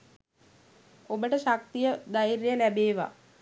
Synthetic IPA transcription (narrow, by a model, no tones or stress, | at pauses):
obəʈəʃak̚t̪ijəd̪ajiɾejəlæbeːʋa̰